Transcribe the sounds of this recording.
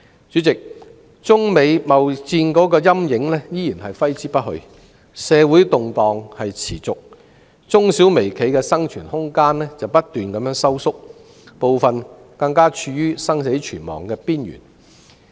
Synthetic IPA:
t͡ʃyː˨˥t͡sɪ˨k̚ | t͡sʊ˥ŋme˨˧jmɐ˨wt͡siː˧nkɔː˨˥kɔː˧jɐ˥mjɪ˨˥ŋlɛː˥jiː˥jiː˨˩nɦɐ˨jfɐ˥jt͡siː˥pɐ˥t̚hɵ̰˧ | sɛː˨˧wu˨˥jt̪ʊ˨ŋt̪ɔː˨ŋhɐ˨jt͡sʰḭː˨˩t͡sʊ˨k̚ | t͡sʊ˥ŋsiː˨˥wme˨˩jkʰe˨˥jkɛː˧sɐ˥ŋt͡ʃʰyː˨˩nhʊ˥ŋkaː˥nlɛː˥t͡sɐ˨wpɐ˥t̚t̪yː˨nkɐ˨˧mjœː˨˥ŋsɐ˥wsʊ˥k̚ | po˨wfɐ˨n | kɐ˧ŋkaː˥t͡ʃʰyː˧jyː˥sɐ˥ŋse˨˥jt͡ʃʰyː˨˩nmɔ̰ː˨˩ŋkɛː˧piː˥njy̰˨˩n

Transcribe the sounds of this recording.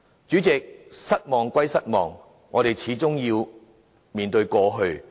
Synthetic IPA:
t͡ʃyː˨˥t͡sɛ˨k̚sɐ˥t̚mɔː˨ŋkʷɐ˥jsɐ˥t̚mɔː˨˩ŋː | ɔː˨˧ɾe˨˩jt͡sʰiː˨˥t͡sʊ˥ŋjiː˧w | miː˨nt̪ɵ˧ɥkɔː˧ɦɵ˧ɥ

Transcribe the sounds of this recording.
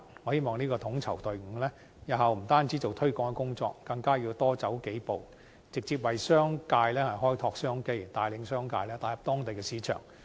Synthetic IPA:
ŋɔː˨˧he˥mɔː˨˩ŋniː˥kɔː˧t̪ʰʊ˨˧˥ŋt͡sʰɐ˨˩wt̪ɵ˨ɥŋ̩ː˨˧˩lɛː˥ | jɐ˨˧ɦɐ˨wm̩˨˩t̪aː˥nt͡si˨˥t͡so˨wt̪ʰɵ˥ɥkɔː˧˥ŋɛ˧kʊ˥ŋt͡sɔ̰ː˧k̚ːɐ˧ŋkaː˥jiː˧wt̪ɔː˥t͡sɐ˨˥wke˨˥jpo˨w | t͡sɪ˨k̚t͡siː˨p̚wɐ˨jsœː˥ŋkaː˧jlɛː˥hɐ˨jɦɔː˥jt̪ʰɔː˧k̚sœː˥ŋke˥jt̪aː˨˧jlɪ˨˧ŋsœː˥ŋka̰ː˧jlɛː˥t̪aː˨˧jɐ˨p̚t̪ɔː˥ŋt̪e˨jkɛː˧siː˨˧˥t͡ʃʰœ̰ː˨˩ŋ

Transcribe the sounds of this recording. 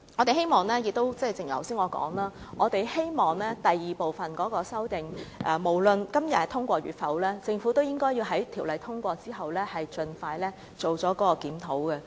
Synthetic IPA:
ɔː˨˧t̪e˨˩he˥jmɔː˨˩ŋlɛː˥jɪ˨k̚t̪o˥wt͡sɐ˥˨jt͡sɪ˨ŋjɐ̰˨˩wsiː˥nŋɔː˨˧kɔ̰ː˨˥ŋlaː˥ʔɔː˨˧t̪e˨jhe˥jmɔː˨ŋlɛː˥t̪ɐ˨jːiː˨˩po˨˩wfɐ˨nkɔː˨˥kɔː˧sɐ˥wt̪ɪ˨ŋʔɛː˨˩mo˨˩wlɵ˨nkɐ˥mjɐ˨tt̪ʰʊ˥ŋkʷɔː˧ɥyː˨t̚fɐ˨˥wlɛː˥t͡sɪ˧ŋfuː˨˥t̪o˥wjɪ˥ŋkɔː˥ji˧wɦɐ˨˥jt̪ʰi˨˩wlɐ˨˧jt̪ʰʊ˥ŋkʷɔː˧t͡siː˥ɦɐ˨wlɛː˥hɐ˨jt͡ʃɵ˧nfaː˧jlɛː˥ | t͡so˨wt͡sɔː˨˥kɔː˨˥ɔː˧kiː˨˥mt̪ʰo˨˥wkɛ˧

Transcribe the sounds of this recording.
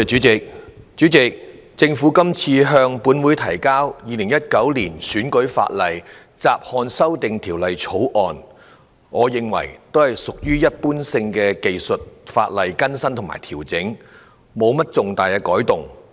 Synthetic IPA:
t͡ʃyː˨˥t͡sɪ˨k̚ | t͡ʃyː˨˥t͡sɪ˨k̚t͡sɪ˧ŋfuː˨˥kɐ˥mt͡sʰiː˧ɦœː˧ŋpuː˨˥nwuː˨˧jt̪ʰɐ˨˩jkaː˥wjiː˨˧lɪ˨˩ŋjɐ˥t̚kɐ˨˥wliː˨˩nsyː˨˥nkɵ˨˥ɥfa̰ː˧t̚lɐ˨j | t͡saː˨p̚hɔː˧nsɐ˥wt̪ɪ˨ŋt̪ʰiː˨˩wlɐ˨jt͡sʰo˨˥wʔɔː˨n | ŋɔː˨˧jɪ˨ŋwɐ̰˨˩jt̪o˥whɐ˨˩jsʊ˨k̚jyː˥jɐ˥t̚puː˥nsɪ˧ŋkɛː˧ke˨jsɵ˨t̚fa̰ː˧t̚lɐ˨jkɐ˥nsɐ˥nt̪ʰʊ˨˩ma̰ː˨˩jt̪ʰiː˨˩wt͡sɪ˨˥ŋ | mo˨˧wmɐ˥t̚t͡sʊ˨ŋt̪aː˨jkɛː˧kɔː˨˥jt̪ʊ˨˩ŋ

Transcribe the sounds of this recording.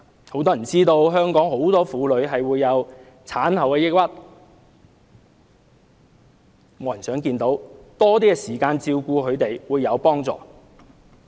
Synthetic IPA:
ho˨˥wt̪ɔː˥jɐ˨˩nt͡siː˥t̪o˧wɦœː˥ŋkɔː˨˥ŋɦo˨˥wt̪ɔː˥fuː˨˧lɵ˨˧˥ɥɦɐ˨jwuː˨˧jːɐ˨˧w | t͡sʰaː˨˥nhɐ˨˩wkɛː˧jɪ˥k̚wɐ˥t̚ | mo˨˧˥jɐ˨˩nsœː˨˥ŋkiː˧nt̪o˨˥wt̪ɔː˥t̪̬iː˥ɛ˧siː˨˩kaː˧nt͡siː˧wkuː˧kʰɵ˨˧ɥt̪e˨jwuː˨˧jːɐ˨˧wpɔː˥ŋt͡sɔ̰ː˨

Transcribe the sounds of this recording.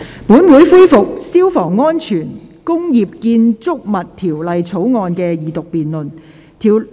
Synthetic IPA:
puː˨˥nwuː˨˥jfu˥jfʊ˨k̚siː˥wfɔː˨˩ŋːɔː˥nt͡ʃʰyː˨˩nkʊ˥ŋjiː˨p̚kiː˧nt͡sʊ˥k̚mɐ˨t̚t̪ʰiː˨˩wlɐ˨jt͡sʰo˨˥wŋɔː˧nkɛː˧jiː˨˩t̪ʊ˨k̚piː˨nlɵ˨n | t̪ʰiː˨˩w

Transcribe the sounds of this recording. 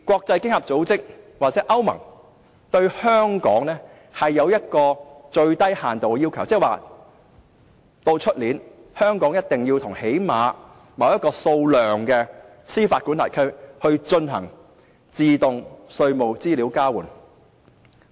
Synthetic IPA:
kʷɔː˧k̚t͡sɐ˧jkɪ˥ŋhɐ˨p̚t͡so˨˥wt͡sɪ˥k̚waː˨t̚t͡sɛː˨˦˥ʔɐ˥wmɐ̰˨˩ŋ | t̪ɵ˧ɥhœː˥ŋkɔ̰ː˨˥ŋnɛː˥ | hɐ˨jːɐ˨˧wjɐ˥t̚kɔː˧t͡ʃɵ˧ɥt̪ɐ˥jhaː˨nt̪o˨wkɛ˧jiː˥wkʰɐ˨˩wt͡sɛː˥waː˨ | t̪o˧wt͡ʃʰɵ˥t̚liː˨˥nhœː˥ŋkɔː˨˥ŋjɐ˥t̚t̪ɪ˨ŋji˧wt̪ʰʊ˨˩ŋhe˨˥jmaː˨˧ | mɐ˨˧wjɐ˥t̚kɔː˧so˧wlœː˨ŋkɛː˧ | siː˥faː˧t̚ku˨˥nt̪aː˨˩jkʰɵ˥ɥhɵ˧ɥt͡ʃɵ˧nɦɐ̰˨˩ŋ | t͡siː˨t̪ʊ˨ŋsɵ˧ɥmo˨wt͡siː˥li˨˥wkaː˥wuː˨˩n

